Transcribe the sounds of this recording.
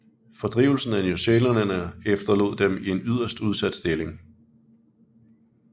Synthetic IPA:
fɒ̽d̥ʁḭʊl̩sn̩ænoselɐnənəefd̥ɐlo̝ð̰ˠd̥emie̝nyð̞̰ˠɐsd̥uð̞ˠsæd̥sd̥e̝le̝ŋ

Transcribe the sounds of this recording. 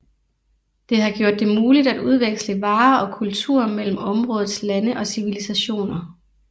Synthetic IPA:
d̥e̝ɦɑ̈ɡ̥jo̝ɐ̰d̥ːe̝muːlid̥æd̥uð̞ˠʋeɡ̥sləʋɑ̈ːɒ̽kʰult͡sʰṵɐ̰mel̰m̩ɒ̽mʁɔ̽ːð̞̩ˠslænəʔɒ̽siʋilisæɕo̝̰ːnɐ

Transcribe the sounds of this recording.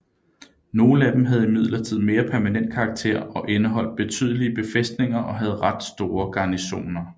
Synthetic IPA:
no̝ːn̩æd̥em̩ɦæð̞̩ˠimið̞̰ˠlɐt͡sʰið̞̰ˠme̝ːɐpʰæɐmænen̰d̥̚kʰɑ̈ːɡ̥t͡sʰe̝̰ɐ̰ɒ̽ʔenəɦɒ̽l̰d̥̚b̥e̝t͡sʰy̰ːð̞ˠəliəb̥e̝fesd̥ne̝ŋɐʔɒ̽ɦæð̞̩ˠʁäd̥sd̥o̝ːɐɡ̥ɑ̈ːniɕo̝̰ːnɐ

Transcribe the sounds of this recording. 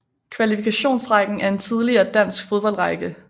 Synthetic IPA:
kʰʋælifikʰæɕo̝̰ːnsʁɑ̈ɡ̥n̩æɐe̝nt͡sʰið̞ˠliɐːd̥æn̰sɡ̥fo̝ðˠb̥ɒ̽l̰ʁɑɪɡ̥ə

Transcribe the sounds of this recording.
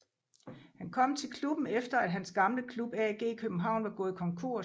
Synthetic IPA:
hænkʰɒ̽m̰t͡sʰe̝lkʰlub̥n̩efd̥ɐæd̥ɦænsɡ̥ɑ̈mləkʰlub̥ɛɡ̥e̝̰ːkʰøb̥m̩ɦɑ̈ʊ̰nʋɑ̈ɡ̥ɔ̽ːð̩ˠikʰɒ̽ŋkʰo̝ɐ̰

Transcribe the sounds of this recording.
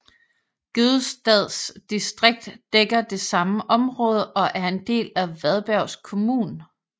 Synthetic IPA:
ɡ̥øð̩ˠsd̥ɛð̞̰ˠsd̥isd̥ʁeɡ̥̚d̥ːeɡ̥ɐd̥e̝sɑ̈məʔɒ̽mʁɔ̽ːð̞ˠəʔɒ̽ʔæɐe̝nd̥e̝̰ːlæʋæð̞ˠb̥æɐʊ̰skʰo̝muːn

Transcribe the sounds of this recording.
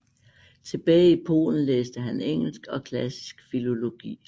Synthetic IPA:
t͡sʰe̝b̥ɛːɪipʰo̝̰ːln̩leːsd̥əɦæneŋ̰l̩sɡ̥ɒ̽kʰlæsi̥sɡ̥filo̝lo̝ɡ̥ḭː

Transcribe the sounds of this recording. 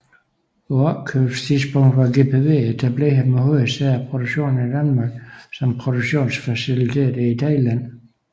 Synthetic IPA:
oɑkʰøb̥st͡sʰiðˠsb̥ɔ̽ŋ̰d̥ʋɑ̈ɡe̝̰ːpʰeʋe̝̰ːedʰæb̥leɦæmeɦoəsææpʰʁod̥oɡ̥ɕo̝̰ːnn̩id̥ænmɑ̈ːɡ̥sɒ̽mpʰʁod̥uɡ̥ɕo̝̰ːnsfæsilit͡sʰḛːd̥əit͡sʰɑɪlæn̰

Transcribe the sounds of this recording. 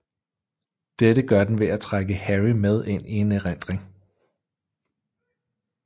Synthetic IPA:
d̥eɾəɡ̥ɶɐd̥enʋe̝æt͡sʰʁaɡ̥əhæʁimeð̞ˠe̝n̰ʔie̝neʁen̰d̥ʁeŋ

